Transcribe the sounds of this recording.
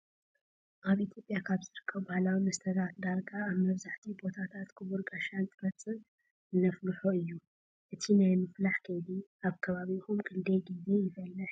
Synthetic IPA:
ʔaβʔit̪ʰjo̞pʼjakʰaβzɨɾɨkʰːɐβbahlawimɐst̪ʰɐd̪at̪d̪aɾɡaːβmɐβzaħt̪ʰibo̞t̪ʰat̪ʰat̪kʰɨβuɾɡʼaʃant̪ʼɨɾɐt͡sʼɨ | nɐflɨħoɨjːu | ʔɨt̪ʰinajmɨflaħkʰɐjd̪iaβkʰɐβaβixumkʼɨnd̪ɐjɡize̞jɪfɐlːɨħ

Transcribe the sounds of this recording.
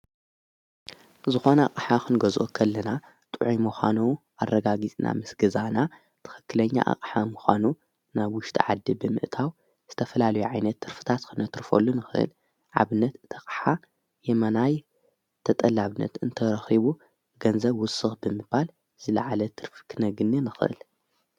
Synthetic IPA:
zɨxo̞nɐa̰kʼħakɨnɡɐzʔokʰɐlːɐna | t̪ʼɨʕimuxʷa̰nu | ʔarːɐɡaɡit͡sʼnʔa̰mɨsɡɐzana | t̪ʰɨ̥xɨ̥kʰːɨlɐɲːa̰ʔa̰qʼħamuxʷanu | naβwʊʃt̪ʰʼḭʕad̪ːibɨmɨ̰ʔt̪ʰaw | z̥ɨt̪ʰɐfɐlalɐjuʕajnɐt̪ʰːɨɾfɨ̥t̪ʰat̪kʰɨnɐt̪ɾfo̰lːunɨxɨʔɨ̰l | ʕa̰βɨnːɐt̪ɨt̪ʰɐqʼħa | jɛmɐnaj | t̪ʰɐt̪ʼɐlːaβɨnːɐ̰t̪ɨnt̪ʰɐɾɐxiβu | ɡɐnzɐβwʊsːɨxbɨmɨbal | z̥ɨla̰ʕalɐt̪ʰɨɾfkʰɨnɐɡɨnːinɨxɨʔɨ̰l

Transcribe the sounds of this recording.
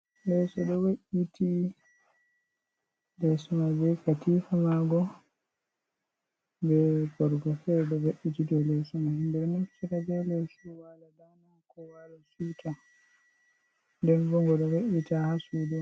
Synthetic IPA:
lɛsɔɗɔwaʔitʰi | lɛsɔmabɛkatifamaɡɔ | bɛbɔɾɡɔfɛɾɗɔwaʔːitidɔlɛsɔmahindɛɗɔnu̥siɾad͡ʒɔlɛsuwaladanakɔwalasuta | ndɛnvɔŋɡɔɗɔwaʔitahasudɔ

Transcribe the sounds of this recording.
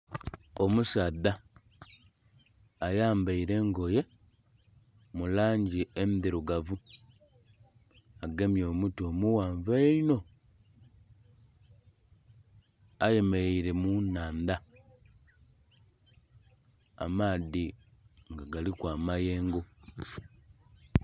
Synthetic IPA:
o̞musaːða | jaːmbaiɾe̞ːŋɡo̞je̞ | mulaːɲɟiemiðiɾuɡavu | aɡe̞mjo̞ːmutoːmuwaːɱvaeino̞ | aje̞me̞ɾe̞iɾe̞munaːnda | a̰maːði | ŋɡaɡalikwaːmaje̞ːŋɡo

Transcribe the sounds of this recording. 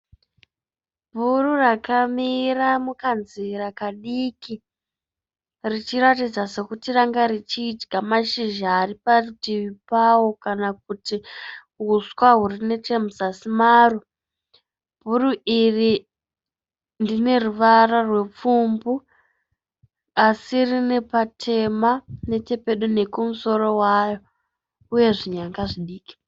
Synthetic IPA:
bʱururakamiramukanziɾakaɗiːki | rit͡ʃiɾatid͡zase̞kutiraŋɡaɾit͡ʃiːd͡ʒɡamaʃiʒaːɾipartiʋipawokanak̚uti | ɦuswaɦurine̞temuzasimaːro | bʱuruiri | ndine̞ruʋararwe̞p͡fumbu | asirine̞patʰe̞mane̞te̞pe̞ɗune̞kumuso̞ɾo̞wajo̞ | uje̞ʐiɲaŋɡaʐiɗiːki̥

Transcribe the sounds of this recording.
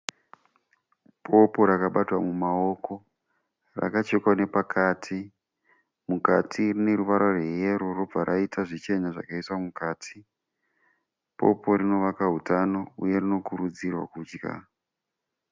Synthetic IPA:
pʰo̞po̞ɾakaɓatwamumao̞ko̞ | ra̰kat͡ʃekwane̞pakʰaːtʰi | mukatʰirine̞ɾuʋaɾorwejeɾorob͡vaɾʔaitʰaʐit͡ʃe̞ɲaʐa̰kaiswamukaːtʰi | pʰo̞̰po̞ɾino̞ʋakaɦutano̞uje̞rino̞kuɾud͡zirwa̰kuːd͡ʒɡa̰

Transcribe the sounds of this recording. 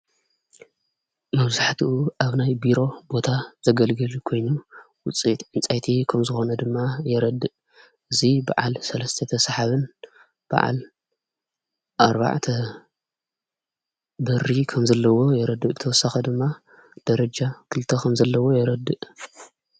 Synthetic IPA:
mɐβzaħt̪ʰiʔuʔaβnajbiɾo̞bo̞t̪ʰaz̥ɐɡɐlɡɨlkʰo̞jnu | wʊt͡sʼit̪ʼʕɨnt͡sʼajt̪ʰikʰɐmzɨxo̞nɐd̪ɨmːajɛɾɐd̪ːɨʔ | ʔɨziba̰ʕa̰lsɐlɐst̪ʰɐt̪ʰɐsħaβɨn | b̥a̰ʕa̰l | ʔaɾba̰ʕt̪ʰɐ | bɐrːikʰɐmzɐlːɐwo̞jɛɾɐd̪ːɨʔɨt̪ʰɐwɔsːaxɐd̪ɨmːa | d̪̥ɐɾɐd͡ʒakʰɨlt̪ʰɐkʰɐmzɐlːɐwo̞jɛɾɐd̪ːɨʔ

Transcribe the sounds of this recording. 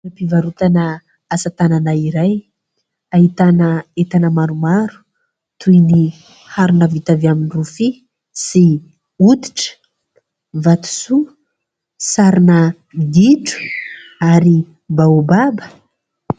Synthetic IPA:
apivaɾut̪anə | asat̪ananaiɾaj | aɦit̪anəet̪anəmaɾumaɾu̥ | t̪ʰujni | haɾunəvit̪aveaminirufi | si | ut̪i̥ʈ͡ʂə̥ | vat̪u̥su | saɾinə | id̪iʈ͡ʂu̥aɾi | baubabə̥

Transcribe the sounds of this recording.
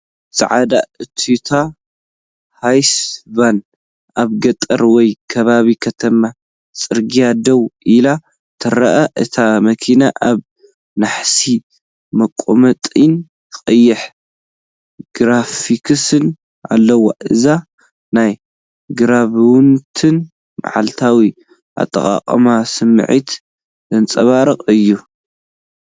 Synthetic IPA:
sʼɐ̰ʕad̪aɨt̪ʰit̪ʰa | hajsban | aβɡɐt̪ʼɐ̰ɾwɔjkʰɐβaβikʰɐt̪ʰɐma | t͡sʼɨɾɡijad̪ɐwʔila | t̪ʰɨɾɐʔɐʔɨt̪ʰamɐkʰinaʔaβ | naħsi | mɐkʼːomɐt̪ʼɨn | qʼɐjːɪħ | ɡ̥ɾafikʰɨsɨn | ʔa̰lːɐwo̰ʔɨza | naj | ɡɨɾaβɨwnt̪ʰɨn | ma̰ʕa̰lt̪ʰawi | ʔa̰t̪ʼːɐ̰χʼa̰qʼɐ̰masɨmɨ̰ʕit̪ | zɐnt͡sʼɐβaɾɐqʼɨjːu

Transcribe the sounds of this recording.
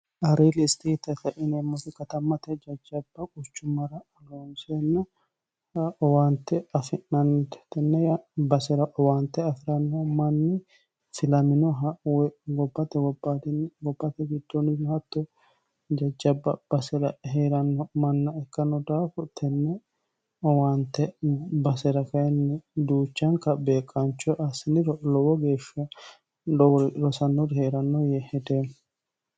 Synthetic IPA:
ɐɾeːlɪst̪et̪ɛt̪ɐʔinɛmːɔfɪkɐt̪ɐmːɐt̪ɛd͡ʒɐd͡ʒːɐbːɐkʼʊt͡ʃːʊmɐɾɐɐlonsenːɐ | ɔwaːnt̪ɛɐfɪnɐnt̪ɛ̥t̪ɛnːɛjɐbɐsɪɾɐʔɔwaːnt̪ɛɐfɪɾɐnːɔmɐnːɪ | fɪlɐmɪnɔɦwɡɔbːɐt̪ɛɡɔbɐd̪ɡɔbːɐt̪ɛɡɪd̪ːonɪnhɐt̪ːɔ | d͡ʒɐd͡ʒɐbːɐb̥ɐsɛɾɐheːɾɐnːɔmɐnːɐɛkːɐnːɔd̪aːfʊt̪ʰɛnːɛ | ɔwɐnt̪ːɛbɐsɛɾɐkɐjɛnːɪd̪uːt͡ʃːɐŋkɐbeːkʼːɐnt͡ʃːɔʔɐsɪnɪɾɔlɔwɔɡe̞ːʃːɐ | ɾɔsɐnːɔɾheːɾɐnːɔjɛhɛd̪e

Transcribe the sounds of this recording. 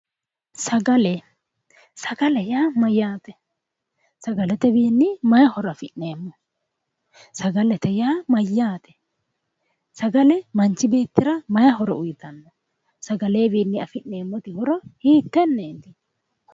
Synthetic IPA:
sɐɡɐlɛ | sɐɡɐlɛjaːmɐjːaːt̪ɛ | sɐɡɐlɛt̪ɛbiːnːɪmɐjɐhɔɾɔɐfɪʔne̞ːmːɔ | sɐɡɐlɛt̪ɛjaːmɐjːaːt̪ɛ̥ | sɐɡɐlɛmɐnt͡ʃːɪbeːt̪ːɪɾɐmɐjɐɦɔɾɔ̰ʊjɪt̪ɐnːɔ | sɐɡɐle̞ːbiːnːɪɐfɪʔne̞ːmːɔt̪ɪhɔɾɔhiːt̪ːɛnːeːt̪ɪ

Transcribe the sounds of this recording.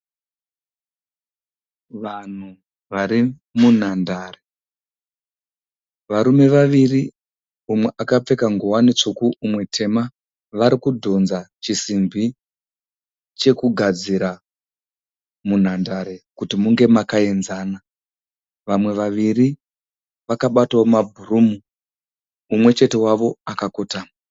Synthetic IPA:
ʋan̤u | ʋaɾi | mun̤andaːre | ʋaɾume̞ʋaʋiri | umwe̞ʔakap͡fe̞kaŋɡuwanet͡ʂukuumwe̞tʰe̞ma | ʋaɾikudʱo̞nzat͡ʃisimbi | t͡ʃe̞kuɡʱad͡ziɾa | mun̤andaɾe̞kutimuŋɡe̞makaenzaːna | ʋamwe̞ʋaʋiri | ʋakaɓatomabʱurumuː | mwe̞t͡ʃe̞te̞waʋo̞akakoːtaːma

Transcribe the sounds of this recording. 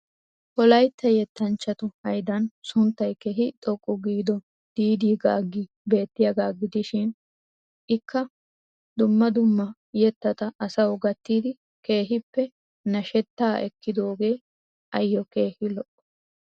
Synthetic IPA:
hɔlɐjt̪ʰːɛjɛt̪ːɐnt͡ʃːɐt̪ʊhɐjd̪ɐnsʊnt̪ːɐjkɛɦɪt̪ʼɔkʼːʊɡiːd̪ɔ | d̪̥iːd̪iːɡaːɡɪ | be̞ːt̪ːɪjɐɡaːɡɪd̪ɪʃɪn | ʔɪkːɐ | d̪ʊmːɐd̪ʊmːɐ | jɛt̪ːɐt̪ɐʔɐsɐwɡɐt̪ːiːd̪ɪ | ke̞ːɦɪpːɛ | nɐʃɛt̪ːaːʔɛkːɪd̪o̞ːɡe̞ː | ʔɐjːɔke̞ːhɪlɔʔɔ̥

